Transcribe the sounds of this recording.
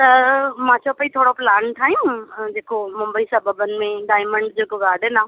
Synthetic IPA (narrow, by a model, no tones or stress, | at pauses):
t̪ɐmãːt͡ɕʰopəit̪ʰoːɽoplaːnʈʰaːj̃ũd͡ʑeːkomʊ̃mbəisɐbəbənɪ̆mẽɖaːɪmə̃ɳɖd͡ʑeːkoɡaːɖʱenãː